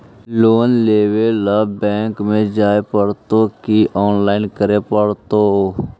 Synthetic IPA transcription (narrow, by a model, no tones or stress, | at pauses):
loːnleːwelaːbɛ̃ːŋkmẽd͡ʒaːepəɽt̪okiʔɔːnlaːɪnkəɾepəɽt̪o